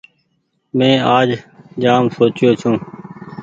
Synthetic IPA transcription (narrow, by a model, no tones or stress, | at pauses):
mẽːaːd͡ʒd͡ʒaːmsoːt͡ʃɪjoːt͡ʃʰũː